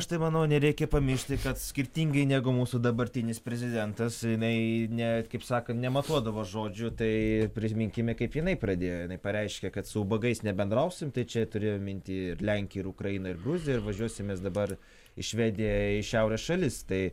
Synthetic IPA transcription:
ɐʃt̪ɐɪmɐnɐʊnʲɛɾʲɛɪkʲɛpɐmʲɪʃʲt̪ʲɪkɐt̪sʲkʲɪɾʲt̪ʲiŋɡɐɪnʲæːɡʊmuːsʊd̪ɐbɐɾʲt̪ʲɪnʲɪspʲɾʲɛzʲɪd̪ʲɛnt̪ɐsjɪnɐɪnʲɛkɐɪpsɑːkɐnnʲɛmɐt̪uɔd̪ɐʋoːʒoːd͡ʒʲʊt̪ɐɪpʲɾʲɪsmʲɪŋʲkʲɪmʲɛkɐɪpjɪnɐɪprɐd̪ʲeːjoːjɪnɐɪpɐɾʲɛɪʃʲkʲɛkɐt̪sʊbɐɡɐɪsnʲɛbʲɛnd̪ɾɐʊsʲɪmt̪ɐɪt͡ʃʲɛt̪ʊɾʲeːjommʲɪnʲt̪ʲɪɪrlʲæŋʲkʲɪɪɾʊkɾɐjɪnɐɪrɡɾuzʲɪjɛɪɾʋɐʒʲuɔsʲɪmʲeːsd̪ɐbɐr | ɪʃʲʋʲɛːd̪ʲɪjɛɪʃʲɛʊɾʲɛsʃɐlʲɪst̪ɐɪ

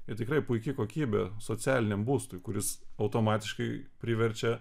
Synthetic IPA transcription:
ɪt̪ʲɪkɾɐɪpʊɪkʲɪkoːkʲiːbʲesoːt͡s̪ʲæːlʲɪnʲɛmbuːst̪ʊɪkʊɾʲɪsɐʊt̪oːmɑːt̪ʲɪʃkɐɪpʲɾʲɪʋʲɛɾʲt͡ʃʲɛ

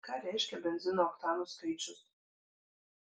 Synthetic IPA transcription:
kɑːɾʲæɪʃʲkʲɛbʲɛnʲzʲɪnoːɔkt̪ɑːnuskɐɪt͡ʃʲʊs

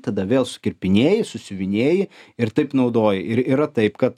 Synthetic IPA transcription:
t̪ɐd̪ɐʋʲeːlˠsʊ̥kʲɪɾʲpʲɪnʲeːjɪsʊsʲɪʋʲɪnʲeːjɪɪɾt̪ɐɪpnɐʊd̪oːjɪɪɾiːɾɐt̪ɐɪpkɐt̪

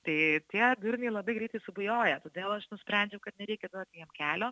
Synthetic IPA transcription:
t̪ɐɪt̪ʲiɛd̪ʲʊɾʲnʲɛɪlˠɐbɐɪɡɾʲɛɪt̪ɐɪsʊbʊjoːjɛt̪oːd̪ʲeːlˠɐʃnʊsʲpʲɾʲænʲd͡ʒʲɛʊkɐt̪nʲɛɾʲɛɪkʲɛd̪ut̪ʲjiɛmkʲæːlʲoː

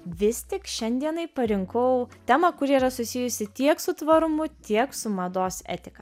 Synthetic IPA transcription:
ʋʲɪst̪ʲɪkʃʲɛnʲd̪ʲiɛnɐɪpɐɾʲɪŋkɔʊt̪ʲæmɐkʊɾʲiːɾɐsʊsʲɪjʊsʲɪt̪ʲiɛksʊt̪ʋɐɾʊmʊt̪ʲiɛksʊmɐd̪oːsɛ̰ːt̪ʲɪkɐ

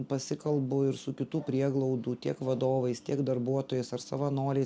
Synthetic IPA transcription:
pɐsʲɪkɐlˠbʊɪɾsʊkʲɪt̪uːpʲɾʲiɛɡlˠɐʊd̪uːt̪ʲiɛkʋɐd̪oːʋɐɪst̪ʲiɛkd̪ɐɾbuɔt̪oːjɛsɐɾsɐʋɐnoːɾʲɛɪ

